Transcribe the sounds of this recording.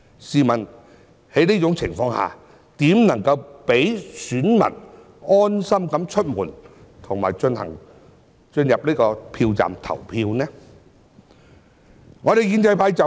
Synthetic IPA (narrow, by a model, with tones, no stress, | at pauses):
siː˨mɐ˨˩n | he˨˥jniː˥t͡ʃʊ˨˧˥ŋt͡sʰɪ˨˩ŋfɔː˧ŋha̰ː˨˩ | t̪iː˨˥mnɐ˨˩ŋkɐ˧wpe˨˥jsyː˨˥nmɐ̰˨˩n | ɔː˥nsɐ˥mkɐ˨˥mt͡ʃʰɵ˥t̚muː˨˩n | t̪ʰʊ˨˩ŋma̰ː˨jt͡ʃɵ˧nhɐ̰˨˩ŋ | t͡ʃɵ˧njɐ˨p̚niː˥kɔː˧pʰiː˧wt͡sa̰ː˨mt̪ʰɐ̰˨˩wpʰiː˧wnɛː˥ | ŋɔː˨˧ɾe˨jkiː˨˧nt͡sɐ˧jpʰaː˧jt͡sɐ˨